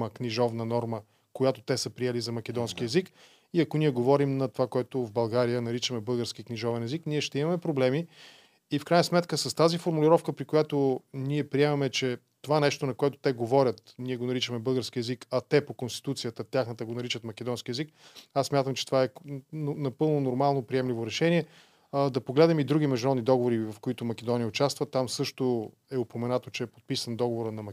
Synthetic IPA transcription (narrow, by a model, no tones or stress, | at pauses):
əkniʒɔvnənɔɾmə | kojat̪ot̪ɛsəpɾiɛlizɐmɐkɛd̪ɔnskiɛzik | iɐkoniɛɡovɔɾimnɐt̪ovakoɛt̪ovbɐlˠɡaɾijənɐɾit͡ʃəmɛbɤlˠɡəɾskʲiəkniʒɔvɛnɛzikniɛʃt̪ɛimɐmɛpɾoblɛmi | ifkɾajnəsmɛt̪kəsɐst̪azifoɾmulʲiɾɔfkəpɾikojat̪oniɛpɾiɛmɐmɛt͡ʃɛ | t̪ovanɛʃt̪onɐkoɛt̪ʊ̥t̪ɛɡovɔɾʲət̪niɛɡonɐɾit͡ʃəmɛbɤlˠɡəɾsk̟iɛzikɐt̪ɛpokonst̪i̥t̪ut̪sijət̪ət̪ʲjaxnət̪əɡonɐɾit͡ʃət̪mɐk̟ɛd̪ɔnsk̟ʲiɛzikassːmʲjat̪əmt͡ʃɛ̥t̪ovaɛnnɐpɤlˠnonoɾmalˠnopɾiɛmlivoɾɛʃɛniɛ | d̪ɐpoɡlɛd̪nɛmid̪ɾuɡ̟ʲimɛʒd̪uɾɔd̪nid̪ɔɡovoɾivɐfkoit̪omɐkɛd̪ɔnijəʊt͡ʃast̪vət̪amsɤʃt̪o | ɛopomɛnat̪ot͡ʃɛːpo̥t̪̚pisənd̪ɔɡovoɾənɐmɐ